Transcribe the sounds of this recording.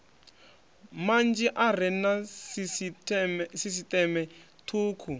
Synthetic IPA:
mand͡ʒiʔar̤ɛnas | sis̬itɛmɛ | tʰuːkʰu

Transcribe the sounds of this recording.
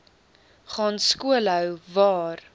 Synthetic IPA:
χɑːnskuəlœwvɑːr

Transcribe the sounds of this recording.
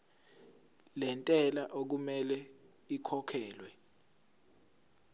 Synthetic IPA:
lɛntʼɛlaʔok̬umɛlɛ | ikʰɔkʰɛːlwɛ

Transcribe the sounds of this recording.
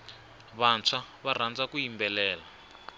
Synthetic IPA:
βant͡sʰaβar̤and͡zakuimbɛlɛːla

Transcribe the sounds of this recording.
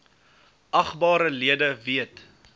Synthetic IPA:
ʔɐχbɑːɾəliədəviət

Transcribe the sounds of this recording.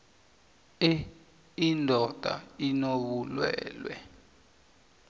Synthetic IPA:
indʱɔd̥ʱa̰inoɓulwɛ̰ːlwɛ̰

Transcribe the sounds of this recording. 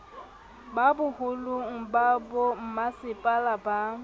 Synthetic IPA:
babʊhʊlʊŋ̩babom̩masɪpʼalaba

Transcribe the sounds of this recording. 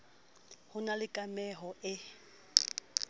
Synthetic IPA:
hʊnalɪkʼamɛɦɔɪ

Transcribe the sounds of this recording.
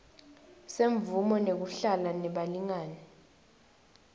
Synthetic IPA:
seɱvumɔnek̬uɬalanɛɓaliŋaːnɛ

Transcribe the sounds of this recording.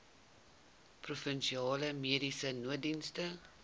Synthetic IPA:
prufənʃiɑːləmiədisənuət̚dinstə

